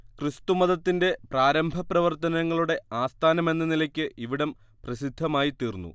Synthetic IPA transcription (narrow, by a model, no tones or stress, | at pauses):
krist̪umɐðɐt̪ːinde̞praːɾɐmbʱɐprɐʋɐrt̪ɐnɐŋːɐɭuɽe̞aːst̪ʰaːnɐme̞nːɐnilɐkʲːɨʔiʋiɽɐm | prɐɕid̪ʱːɐmaːjit̪ːiːrnːṵ